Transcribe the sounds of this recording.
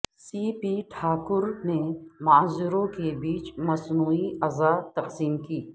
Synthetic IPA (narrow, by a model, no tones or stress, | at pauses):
siːpiʈʰaːkʊɾnemaːzɪɾõkebiːt͡ʃmɐsnuːiɐzaːt̪ɐqsiːmkiː